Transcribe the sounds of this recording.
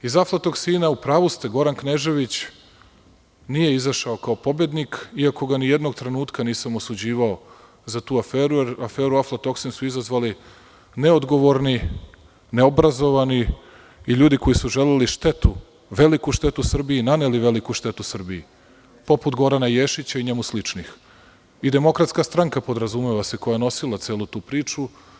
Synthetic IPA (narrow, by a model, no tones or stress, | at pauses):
izaflˠat̪o̞ɡsiːnaupɾaːʋust̪eɡo̞ɾankneʒe̞ʋit͡ɕ | nije̞izaʃaokao̞po̞be̞d̪nikiako̞ɡanijed̪no̞ɡt̪ɾe̞nuːt̪kaniːsamosud͡ʑiːʋao̞ | zat̪uːafeːɾujeɾafeːɾuaflˠat̪o̞ksinsuizazʋali | ne̞od̪ɡo̞ʋo̞ɾni | neobɾazo̞ʋaniː | ʎuːd̪iko̞jisuʒe̞leliʃt̪e̞t̪u | ʋe̞likuʃt̪e̞t̪usr̩biinaneliʋe̞likuʃt̪e̞t̪usr̩bii | po̞put̪ɡo̞ɾanajeʃit͡ɕaiɲe̞muslit͡ʂnix | id̪e̞mo̞kɾat̪skast̪ɾaŋkapo̞d̪ɾazumeʋaseko̞jajeno̞silˠat̪seːlut̪uːpɾiːt͡ʂu